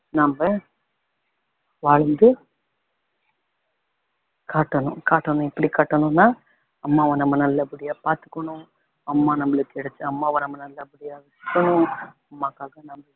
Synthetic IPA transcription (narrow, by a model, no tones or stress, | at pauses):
nɐmbɐ | ʋaːɻɐnd̪ɯ | kaːʈːɐnʊ̃kaːʈːɐɳʊ̃ɪpːɐɽikaːʈːɐnʊ̃nːaː | ɐmːaːʋɐ̃nɐmːɐnɐlːɐpɯɽɪjaːpaːɾt̪ɯ̥kːɐɳʊ̃ | ɐmːaːnɐmːɐɭɯkːɯɛɽɐt͡ʃːɯɐmːaːʋɐ̃nɐmːɐnɐlːɐpɪɽɪjaːʋɪskːɐɳʊ̃ɐmːaːkːaːɣɐnɐmbɐ